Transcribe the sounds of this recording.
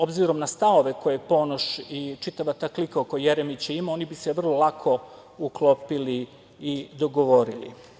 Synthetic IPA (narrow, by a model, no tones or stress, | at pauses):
o̞bziɾo̞mnast̪aoʋe̞ko̞jepo̞noʃit͡ʃit̪aʋat̪aːklikaokojejeɾemit͡ɕeimao̞nibiseʋr̩lˠolˠakʰo̞ | uklˠopili | id̪o̞ɡoʋo̞ɾilḭ